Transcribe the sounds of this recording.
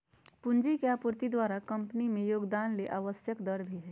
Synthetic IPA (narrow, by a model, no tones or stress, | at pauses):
pʊ̃nd͡ʒikeaːpʊɾt̪id̪waːɾakɐ̃mpənimẽjoːɡd̪aːnleʔaːʋəsjəkd̪ɐɾbʱiɦɛː